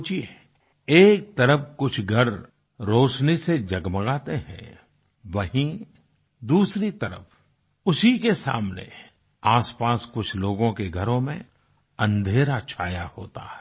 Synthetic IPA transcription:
t͡ʃie | eːk̚t̪ɐɾəfkʊt͡ʃʰɡʱɐɾː | oːʃnised͡ʒɐɡməɡaːt̪eɦɛ̰̃ː | ʋɐɦĩ | d̪uːsɾit̪ɐɾə̰f | ʊsikesa̰ːmnḛ | aːspaːskʊt͡ʃʰloːɡõkeɡʱɐɾõmẽ | ɐ̃nd̪ʱeːɾat͡ʃʰaːjahoːt̪aɦɛ

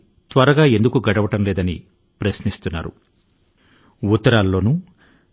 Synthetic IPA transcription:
t̪ʋɐɾɐɡaːe̞nd̪ukuɡɐɽɐʋɐʈɐmlɛːd̪ɐnḭ | pɾɐsnist̪unːa̰ːɾṵ | ut̪ːɐɾaːlːo̞ːnu

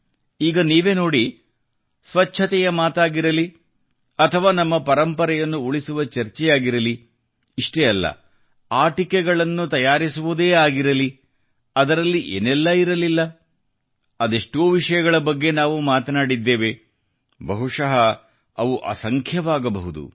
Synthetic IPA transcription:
iːɡɐniːʋe̞ːno̞ːɽi | sʋɐt͡ʃːt͡ʃʰɐt̪ɛjɐmaːt̪aːɡiɾɐli | ɐt̪ʰɐʋaːnɐmːɐpɐɾɐmpɐɾɛjɐnːuuɭisuʋɐt͡ʃɐɾt͡ʃɛjaːɡiɾɐliː | ʂʈeɐlːɐ̰ | aːʈikɛɡɐɭɐnːut̪ɐjaːɾisuʋud̪eːaːɡiɾɐli | ɐd̪ɐɾɐlːiʔḛːnɛlːɐiɾɐlilːɐ | ɐd̪eʂʈoːʋiʂɐjɐɡɐɭɐbɐɡːe̞naːʋumaːt̪ɐnaːɽid̪ːe̞ːʋe | bɐɦuʂɐɦɐ | ɐʋuʔɐ̰sɐŋkʰjɐʋaːɡɐbɐɦud̪ṵ

